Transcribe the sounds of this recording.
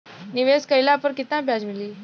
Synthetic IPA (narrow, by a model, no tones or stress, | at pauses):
niʋeskəjlapəɾkit̪ãbʱjad͡ʑmili